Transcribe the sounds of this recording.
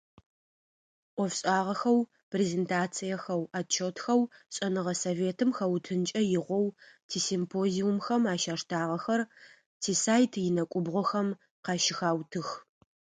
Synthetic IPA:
ʔʷɔfɕʼaːʁɐxɐw | pʰrezeːntʰaːt͡sʰijɐxɐwaːt͡ʃʰotxɐwɕʼɐnɨʁɐsoveːtʰɨmxɐwtʰɨnt͡ʃʼɐjɪʁʷɔwtʰiːsimpʰoːziumxɐmaːʃaːʂtʰaːʁɐxɐr | tʰiːsaːjtʰjɪnɐkʷʼʊbʁʷɔxɐm | qɑʃɪxaːwtʰɨx

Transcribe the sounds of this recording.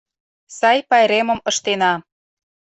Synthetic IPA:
sɑjpɑjɾemə̆mɤ̆ʃt̪enɑ

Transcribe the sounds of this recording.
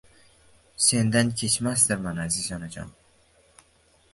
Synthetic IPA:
send̪ankʰet͡ʃʰmast̪aɾmanazizɒnad͡ʒɒ̰n

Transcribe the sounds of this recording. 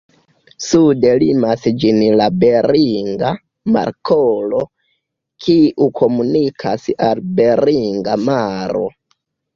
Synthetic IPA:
sude̞limasd͡ʒinlabe̞ɾiŋɡa | ma̰ɾkʰolo̞ | kʰiʔukʰo̞munikʰasalbe̞ɾiŋɡamaɾo̞̰

